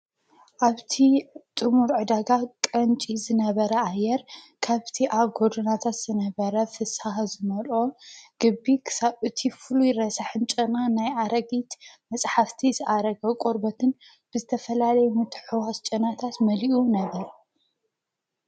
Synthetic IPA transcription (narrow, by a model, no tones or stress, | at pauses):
ʔaβt̪ʰit̪ʼɨmuɾʕɨd̪aɡakʼɐnt͡ʃʼizɨnɐβɐɾɐajːɛɾ | kʰaβt̪ʰiʔaβɡod̪onat̪ʰat̪z̥ɨnɐβɐɾɐfɨsahzɨmɐlo̞ɡ̥ɨbːikʰɨ̥saβɨt̪ʰifɨlujɪɾɐsaħɨnt͡ʃʼɨnanajaɾɐɡit̪mɐsʼħaft̪ʰizɨʔaɾɐɡɐkʼoɾbɐt̪ʰɨn | b̥ɨzɨt̪ʰɐfɐlalɐjɛmɨt̪ʰħɨwast͡ʃʼɐnat̪ʰat̪mɐliʔunɐβɐɾ